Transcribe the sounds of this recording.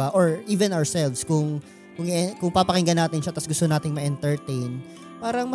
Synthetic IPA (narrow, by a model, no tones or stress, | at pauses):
aʔoɹʔiːvɛnʔawɹsɛlvskʊŋ | kʊŋɛkʊŋpaːpɐkɪŋɡɐnaːt̪ɪnʃat̪ɐsɡʊst̪onaːt̪ɪŋmɐʔɛnt̪ɛɹt̪ejn | paːɾɐŋmɐ